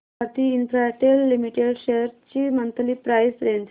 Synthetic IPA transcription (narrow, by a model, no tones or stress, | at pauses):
aɾt̪iːnfɾaʈelːimiʈeɽɕeɾt͡ɕiːmənt̪ʰliːpɾajsɾent̪ʰ